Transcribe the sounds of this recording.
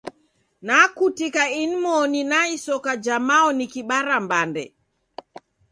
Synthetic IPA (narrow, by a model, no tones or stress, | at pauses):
nakutikainmɔninaisɔkad͡ʒamaɔnikiɓaɾambandɛ̰